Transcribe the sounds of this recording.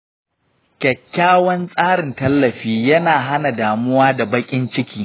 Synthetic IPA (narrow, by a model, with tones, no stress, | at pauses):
kʲɛ˨kʲːaː˦wɐ˦nsʼaː˦ɽɪ˨ntɐ˦lːɐ˨ɸiː˦jɐ˦naː˨ɦa˦na˨daː˨mʊ˦waː˦da˨bɐ˦kʲʼɪ˦nt͡ʃɪ˦kʲiː˨